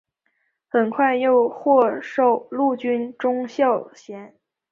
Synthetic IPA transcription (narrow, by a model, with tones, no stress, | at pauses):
xə˨˩nkʰwa˥˧ɪjo˥˧ʊxwɔ˥˧ʂo˥˩ʊlu˥˩t͡ɕy˥nʈ͡ʂʊ˥ŋɕjɑ˥˩ʊɕjɛ˧˥n